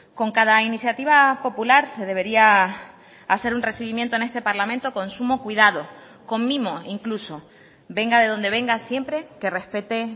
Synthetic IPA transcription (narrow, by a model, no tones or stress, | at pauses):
ko̞ŋkaðainisjat̪iβ̞apo̞pulaɾse̞ðe̞β̞e̞ɾia | ase̞ɾunre̞siβimjent̪o̞ne̞st̪e̞paɾlamẽnt̪o̞ko̞nsumo̞kwiðað̞o̞ | ko̞ŋmĩmo̞iŋkluso̞ | be̞ŋɡaðe̞ð̞o̞nd̪eβe̞ŋɡasje̞mpɾe̞ke̞re̞hpe̞t̪e